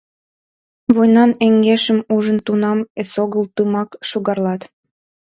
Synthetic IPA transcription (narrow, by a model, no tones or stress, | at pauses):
βojnɑneŋɡeʃəmuʒənt̪unɑmesoɣəlt̪ɯmɑkʃoɣɑrlɑt̪